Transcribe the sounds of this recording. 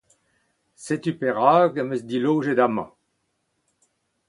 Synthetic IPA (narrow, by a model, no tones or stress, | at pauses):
set̪ypeʁaːɡəmøsd̪ilowʒed̪amɑ̰̃